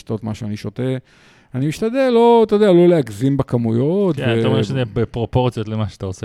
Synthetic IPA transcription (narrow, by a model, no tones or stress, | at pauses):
t̪ot̪maʃeaniʃote | animiʃt̪ad̪elːo̞t̪od̪ealo̞leakzimbakamujot̪veaʃezebepʁopoʁt͡sijot̪lemaʃeat̪aot͡se